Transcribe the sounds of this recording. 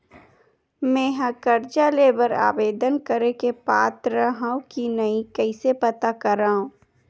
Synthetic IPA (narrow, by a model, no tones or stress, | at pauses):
mɛ̃ːɦɐ̃kəɾd͡ʒaleːbəɾa̰ːʋeːd̪ənkəɾekepaːt̪ɾəɦãũkinɐikɛɪsepɐt̪akɐɾaːɦũː